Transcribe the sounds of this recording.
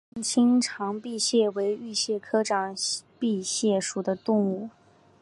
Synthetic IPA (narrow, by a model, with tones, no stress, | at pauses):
ŋt͡ɕʰi˥ŋʈ͡ʂʰɑ˧˥ŋpi˥˧ɕjɛ˥˩we˧˥ɪy˥˧ɕjɛ˥˩kʰɤ˥ʈ͡ʂɑ˨˩ŋpi˥˧ɕjɛ˥˩ʂu˨˩d̪ə˦t̪ʊ˥˧ŋu˥˩